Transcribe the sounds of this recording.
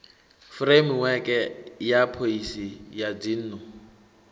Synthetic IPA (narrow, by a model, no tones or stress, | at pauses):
fremwɛkʼɛjapʰoisijadin̩ːnʊ